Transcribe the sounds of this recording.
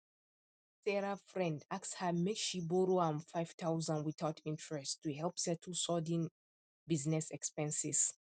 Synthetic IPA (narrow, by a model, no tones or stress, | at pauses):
sɛɹafɹɛ̃ndakshəmekʃibɔɾoãnfajv̥tʰaʊzãnwiθaʊtʰĩntʰɹɛstːuɦɛlpðɛtʰusɔdĩn | biznɛsɛkspɛ̃nsɪs